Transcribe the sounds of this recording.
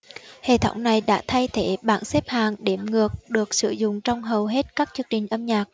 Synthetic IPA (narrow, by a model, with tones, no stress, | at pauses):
hḛ˧˨t̪ʰə̰˧˩wŋ͡mna˨˩jɗa̰ː˧˥t̪ʰa˧jt̪ʰe˧˩ɓaː˧˩nsɛ˦˥p̚haː˨˩ŋɗe˧˩mŋɨ˨˩ək̚ɗɨ˨˩ək̚sɨ˧˩˦zʊ̰˧˨ŋ͡mt͡ɕɔ˧wŋ͡mɦə˨˩wɦe˦˥t̚kaː˦˥k̚t͡ɕɨ˧əŋt͡ɕï˨˩ŋ̟ʔə˧mɲaː˨˩k̚